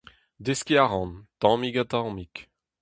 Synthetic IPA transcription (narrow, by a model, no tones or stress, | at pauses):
d̪eskiaʁɑ̃nt̪ɑ̃miɡat̪ɑ̃mik